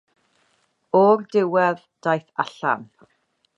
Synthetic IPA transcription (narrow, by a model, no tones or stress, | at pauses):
ɔrdɪwɛð | d̥ajθaɬa̰m